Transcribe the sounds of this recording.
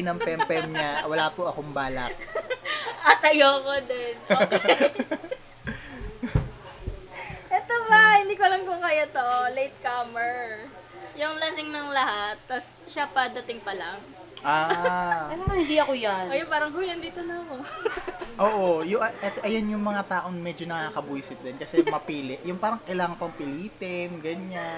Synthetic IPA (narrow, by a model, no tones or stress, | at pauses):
nɐŋpɛmpɛmɲawɐlaːpoʔɐkoŋbaːlɐ̰k̚ | ʔɐt̪ɐjokod̪ɛnʔo | ʔɛt̪obɐhɪnd̪iːkolɐŋkokɐjot̪olejt̪̚kamɛɹ | jʊŋlɐsɪŋnɐŋlɐhat̪̚ːɐs | ʃapɐd̪ɐt̪ɪŋpɐlaŋ | ʔaːɐlaŋɐhɪnd̪iɐkojanojʊpaːɾɐŋɦʊjɐnd̪iːt̪onɐmo | ʔoːʔojʊɐʔɛt̪oʔɐjonjʊŋmɐŋat̪aːʔoŋmɛd͡ʒonɐkaːkɐbuːsɪt̪̚d̪ɛnkɐsɛmɐpiːlɪʔjʊŋpaːɾɐŋkɐɪlaːŋɐŋpɐŋpɪliːt̪ɛmɡɐɲan